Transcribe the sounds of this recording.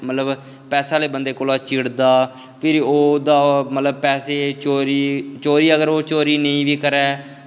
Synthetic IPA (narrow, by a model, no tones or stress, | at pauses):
mət̪ləb | pɛːsaːleːbənd̪eːkoːlaːt͡ʃɪɽd̪aː | pʰɪɾoːd̪aːmət̪ləb̚pɛːseːt͡ʃoːɾiːt͡ʃoːɾiːəɡəɾoːt͡ʃoːɾiːnəĩːʋiːkəɾɛː